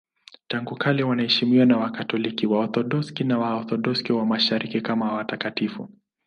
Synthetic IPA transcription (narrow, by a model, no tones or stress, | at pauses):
taŋɡukʰaliwanaɛʃimiwanawakatɔlikiwaɔθɔɗɔskinawaɔθɔɗɔskiwamaʃaɾʔikikamawatakatifṵ